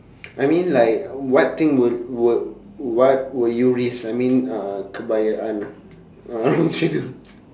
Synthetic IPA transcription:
ʔajmĩnlaɪkwɔt̚t̪ɪ̃ŋwədwə | wɔt̚wəjuɹisajmĩnãkʰəbajaʔãn | ɹõnt͡ʃudu

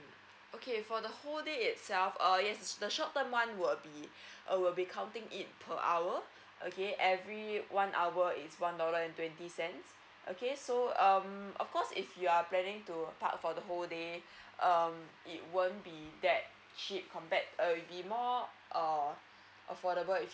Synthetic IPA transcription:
ʔokʰefɔdəholdeit̚sɛlfʌjɛsdəʃɔʔ̚təmwãnwɪlbiʔwilbikʰãʊ̃ntɪ̃ŋit̚pʰəʔa̰wə | ʔo̰keʔɛvɹiwãnʔa̰wəɪtswãndɔləɛ̃ntwɛ̃ntisɛ̃ns | ʔo̰kesoʌ̃mɔ̰fkɔsifjuaplɛnɪ̃ŋtupa̰k̚fɔdəɦolde | ʔʌm | it̚wə̃nbidɛt̚ | t͡ʃip̚kʰɔ̃mpɛt̚əwibimɔ | ʔʌ | ʔəfɔɾəbəlif

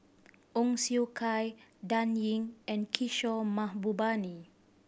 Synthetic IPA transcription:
ʔɔŋsiukʰajdãnjiŋɛ̃nkʰiʃɔmãhbubani

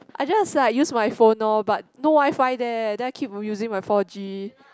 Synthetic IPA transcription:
ʔajd͡ʒasseajusmajfõnːabat̚nowajfajdɛdɛ̃naɪkʰip̚juzĩŋmajfɔd͡ʒi

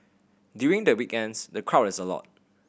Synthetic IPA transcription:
djuɹĩŋdəwikɛ̃nsdəkʰɹaʊtɪsəlɔ̰t̚

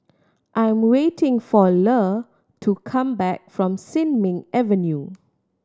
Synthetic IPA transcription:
ʔãj̃mwetʰɪ̃ŋfɔlə | tʰukʰãmbɛk̚fɹɔ̃msɪ̃nmɪ̃ŋɛvənju

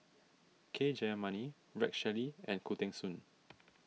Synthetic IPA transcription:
kʰed͡ʒajəmãni | ɹɛ̰k̚ʃɛliɛ̃nkʰutɛ̃ŋsũn

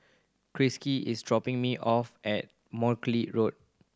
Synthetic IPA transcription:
kɹiskiisdɹɔpɪ̃ŋmiʔɔfɛt̚ | mɔkliɹot̚

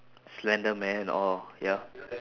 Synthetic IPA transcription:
slɛ̃ndəmɛ̃nɛ̃nɔ̰lja

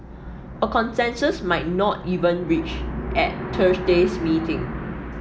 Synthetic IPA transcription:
əkɔ̃nsɛ̃nsəsmaɪt̚nɔtivə̃nɹit͡ʃʔɛttʰəsdesmiːtɪ̃ŋ

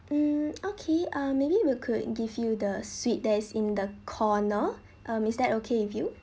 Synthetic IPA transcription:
m̩okʰeʌmebiwikʰud̚ɡivjudəswit̚dɛsĩndəkʰɔnə | ʔʌ̃misdɛtokʰeifju

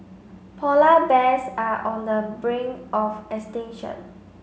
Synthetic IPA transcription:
pʰɔlabɛsaʔɔ̃ndəbɹĩŋʔɔfɛkstɛ̃ŋʃə̰̃n

